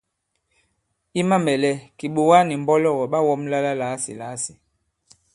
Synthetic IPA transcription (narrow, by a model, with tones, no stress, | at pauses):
i˦ma˦mɛ˨lɛ˦ki˨ɓu˨wa˦ni˨m˨bɔ˦lɔ˦˨wɔ˨ɓa˦wɔ˦mla˦la˦la˨˦sḭ˨la˨˦si̥˨